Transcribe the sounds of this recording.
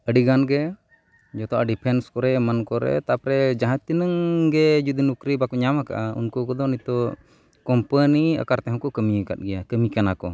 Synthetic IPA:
əɖiɡanɡɛ | d͡ʒɔt̪ɔʔaɖipʰɛnskɔɾɛmənkɔɾɛ̰t̪apɾɛd͡ʒaɦãt̪inəŋɡɛd͡ʒud̪inukɾibakɔɲamaka̰ʔaṵnkukɔd̪ɔnit̪ɔ | kɔmpənia̰kaɾt̪ɛɦɔ̃kɔkəmikat̪̚ˀɡɛjakəmikanakɔ

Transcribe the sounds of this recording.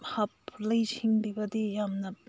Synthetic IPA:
hɐplɐjsʰiŋbibɐdijamnɐ

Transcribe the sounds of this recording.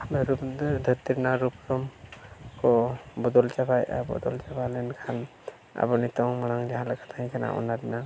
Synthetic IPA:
amɛɾupd̪ʱəɾt̪iɾnaɾup̚ɾɔmkɔbɔd̪ɔlt͡ʃabaja̰bɔ̰d̪ɔlt͡ʃabalɛnkʰan | a̰bɔnit̪ɔŋmañaŋd͡ʒaɦalakat̪ʰaɦĩkʰana̰ʔɔ̰nadina

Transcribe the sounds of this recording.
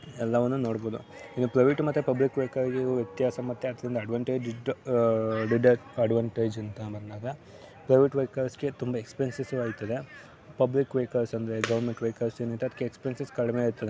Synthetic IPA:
ɛlːɐʋɐnːuno̞ːɽboːd̪ṵinupɾɐjʋeʈumɐt̪ːepɐblikʋekɐɾɡeʋjɐt̪jaːsɐmɐt̪ːeɐd̪ɐɾind̪ɐːɖʋaːɳʈeːd͡ʒ | ɖiɖɐɐɖʋaːɳʈeːd͡ʒɐnt̪ɐbɐnd̪aːɡɐ | pɾɐjʋeʈʋeːkɐɾsɡe̞t̪umbɐekspensisuaːɡit̪ːɐd̪e̞ | pɐblikʋeːkɐɾsɐnd̪ɐɾeɡɐʋɐɾme̞ɳʈʋekɐɾseːnint̪ɐd̪ɐ̥kːeːkspensiskɐɽmeiɾt̪ːɐd̪e

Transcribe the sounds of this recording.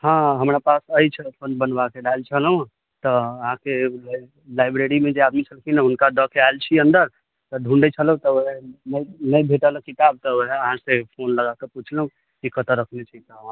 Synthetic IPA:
ɦãɦəmɾapasəjt͡ʃʰəpʰonbənbakeɖajlt͡ʃʰəlɦũ | t̪ɔəɦãke | laɪbɾeɾimed͡ʒead̪mit͡ʃʰəlkʰinəɦunkad̪əkʰeajlt͡ʃʰiənd̪əɾ | t̪əɖ̪ʱũɳɖəɛt͡ʃʰəlɦũt̪əwəɦnəjnəjbʱeʈ̪ələ̃kit̪ab̚t̪ɔwəɦeəɦãsepʰonləɡakeput͡ʃʰləɦũ | kikət̪əɾːəkʰnet͡ʃʰait̪əã

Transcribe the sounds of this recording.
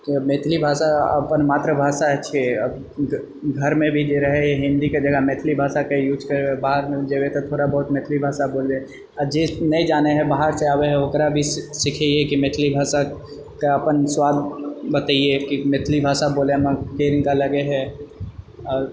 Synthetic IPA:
kmet̪ʰlibʱaːsaɐ̰pənmaːt̪ɾəbʱaːsaətːʃʰieɐb | ɡʱɐɾmẽbʱid͡ʒeɾɐɦeeɦɪ̃nd̪iked͡ʒəɡamet̪ʰlibʱaːsakejuːd͡ʒkəɾeebaɦəɾmẽd͡ʒewet̪ot̪ʰoːɽabɐɦʊt̪met̪ʰlibʱaːsaboːle | d͡ʒenɐĩd͡ʒaːneɦɛbaɦəɾseaːweɦɛokɾabʱisɪkʰeɛkimet̪ʰlibʱaːsa | keəpənswaːd̪bət̪aiekimet̪ʰlibʱaːsaboːleməkeːɾɪŋkaləɡeɦɛ | ɔːɾ

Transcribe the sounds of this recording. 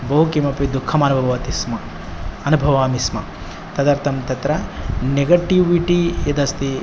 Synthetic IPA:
bɐɦukimɐpid̪ukʰːɐmɐnubʱɐʋɐʋɐt̪ismɐ | ɐnubʱɐʋaːmismɐ̰ | t̪ɐd̪ɐɾt̪ɐmt̪ɐt̪ɾɐneɡɐʈiʋiʈijɐd̪ɐst̪i

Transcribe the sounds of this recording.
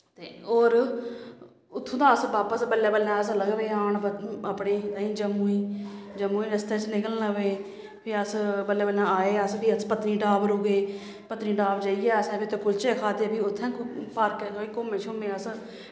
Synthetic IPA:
t̪eːoːɾ | ʊt̪ʰːõːt̪aːəsbaːpəsbəleːbəlãːəsləɡɾeːaːɳəəpɳeːt̪ːĩːd͡ʒəmːuːiːd͡ʒəmuːiːɾəst̪ẽːt͡ʃnɪkəlnəʋeː | pʰiəsbəlːeːbəlãːaːeːəsbiːəspət̪nĩːɖaːbɾoːɡeː | pət̪nĩːɖaːbd͡ʒaiːɛːəsɛ̃ːpʰet̪õːkʊlt͡ʃeːkʰaːt̪eːbiːʊt̪ʰːɛ̃ːpəɾkːiːkomẽːt͡ʃʰʊmẽːəs

